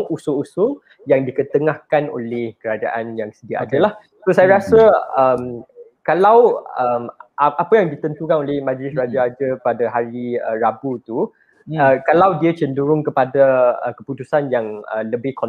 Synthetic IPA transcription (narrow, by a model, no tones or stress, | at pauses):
ŋusʊusʊ | jaŋdikət̪əŋahkano̰lɛhkəɾad͡ʒa̰ʔanjaŋsədiaʔa̰dəlah | sosajaɾasəəmkalawəmʔaʔapəjaŋdit̪ənt̪ukanolɛhmãd͡ʒlɪsɾad͡ʒaad͡ʒəpadaɦaɾiə̰ɾabut̪u | əkalawdiat͡ʃəndəɾʊŋkəpadakəput̪usanjaŋə̰ləbɪhkɔn